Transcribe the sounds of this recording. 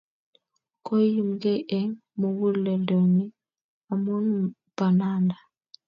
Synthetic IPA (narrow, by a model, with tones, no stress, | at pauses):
kɔ˦ji˦mɡe˦ʔɛ˦ŋ | mɔ˨wu˦llɛ˨dɔ˨ŋi˦ | a˨mu˦n | ba˨na˦nda˨